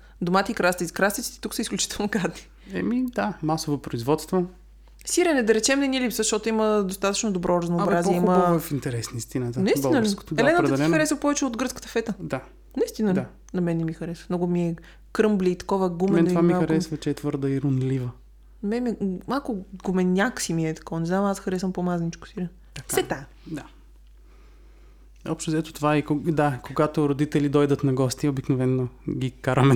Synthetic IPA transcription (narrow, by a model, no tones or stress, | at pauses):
d̪omat̪ɛikɾat̪kɾast̪it̪si̥t̪ɛ̥t̪uksəisklʲut͡ʃi̥t̪ɛlˠnoɡɾad̪ni̥ | ɛ̰mid̪amasovopɾoizvɔt̪st̪vo | siɾɛnɛd̪ɐɾɛt͡ʃɛmnɛnilipsəʃt̪ɔt̪ʊiməd̪ost̪at̪ə̥t͡ʃnod̪obɾʔɔɾɐznoːbɾaziɛiməfint̪ɛɾɛsnist̪inət̪nɐisinəliko̥t̪d̪ɛlɛnətpɾɛd̪ɐlɛixɾɛsvəpɔvɛt͡ʃɛod̪ɡəɾt̪skə̥t̪əfɛt̪əd̪a | nɐist̪inəla | nɐmɛnɛmixɐɾɛsvəmnɔɡʊmiɛ | kɾɤmbliːt̪ɐ̥kɔvəɡummɛɛnt̪ivamimaxɐɾɛsvət͡ʃɛɛt̪vɤɾd̪əiɾʊnlivə | nɐmɛmiɛmalˠkʊɡʊmɛnʲjaksimiɛt̪ɐ̥kɔvnɛznamasxɐɾɛsvɐmpomaznit͡ʃko̥siɾɛ | ɐkfsɛt̪a | d̪a | ɔpʃt̪ozɛt̪o̥t̪ovaikod̪akoɡat̪oɾod̪it̪ɛlid̪ɔjd̪ət̪nɐɡɔst̪iobiknovɛnːoɡʲikaɾəmɛ